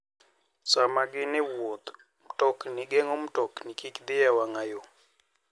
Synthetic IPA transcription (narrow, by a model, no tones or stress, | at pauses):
samaɡɪnɪwot̪ | m̩tɔknɪɡɛŋom̩tɔknɪkikd̪ɪjawaŋajo